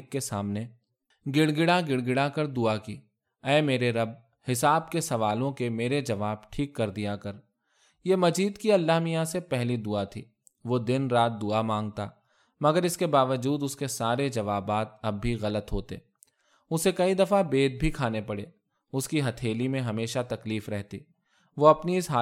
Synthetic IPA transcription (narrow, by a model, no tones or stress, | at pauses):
kːesaːmne | ɡɪɽɡɪɽaɡɪɽɡɪɽakɐɾd̪ʊaki | ɛːmeːɾeɾɐb̚ | hɪsaːb̚kesɐʋaːlõkemeːɾed͡ʒɐʋaːbʈʰiːkːɐɾd̪ijakɐɾ | jemɐd͡ʒiːd̪kiɐlːaːmijãsepɛɦlid̪ʊat̪ʰḭː | ʋoːd̪ɪnɾaːt̪̚d̪ʊamãːŋɡ̚t̪a̰ː | mɐɡəɾɪskebaːʋəd͡ʒuːd̪ʊskesaːɾed͡ʒɐʋaːbaːt̪̚ɐbːiɣɐlət̪ɦoːt̪ḛː | ʊsekɐid̪ɐfabeːd̪̚bʱikʰaːnepɐɽeː | ʊskiɦɐt̪ʰeːlimẽɦɐmeːʃat̪ɐkliːfɾɛɦt̪ḭː | ʋoɐpniɪsɦaː